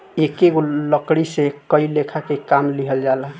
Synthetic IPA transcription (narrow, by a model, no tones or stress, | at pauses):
ekeɡoləkɽisekəilekʰakekamliɦəld͡ʒalaɦ